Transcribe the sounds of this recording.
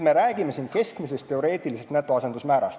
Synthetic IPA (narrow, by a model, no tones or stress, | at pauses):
me̞ɾæːɡ̥ime̞siːnke̞skmise̞st̪ːe̞o̞ɾe̞ːt̪ˑilisest̪næt̪ːˑo̞ɑse̞nd̪usmæːɾɑst̪